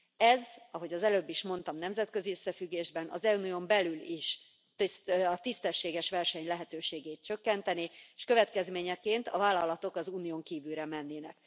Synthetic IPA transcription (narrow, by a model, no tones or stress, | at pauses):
ɛzɒɦo̞ɟɒzɛløːbːiʃmo̞n̪t̪ɒmnɛmzɛt̪kø̞ziøsːɛfyɡːeːʒbɛnɒ̰zɛuniombɛlyliʃ | t̪ɒt̪ist̪ɛʃːeːɡɛʃʋɛrʃɛɲlɛɦɛt̪øːʃeːɡeːt̪̚t͡ʃø̞kːɛnt̪ɛnieʃkøvɛt̪kɛzmeːɲɛkeːnt̪ɒ̰vaːlːɒlɒt̪o̞kɒzuːnijoːŋkiːvylɾɛmɛnːeːnɛk